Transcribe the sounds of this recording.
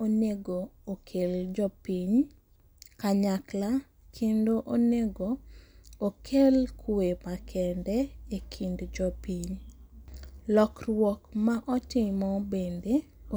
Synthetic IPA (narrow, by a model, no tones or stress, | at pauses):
oneɡoːkʰeld͡ʒɔpiɲ | kaɲakla | kʰendoʔoneɡo | okʰelkʰwepakʰɛndɛekʰindd͡ʒɔpiɲ | lɔkrwɔkmaʔɔtɪmɔbende